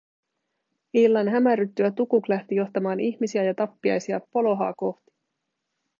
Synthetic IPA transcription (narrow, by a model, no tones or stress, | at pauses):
ilːɑnɦæmæryt̪ːyæt̪ukuklæht̪ijo̞ht̪ɑmɑːniçmisiæjɑt̪ɑpːiɑ̰jsiɑpo̞lo̞ɦɑ̰ːko̞ht̪i̥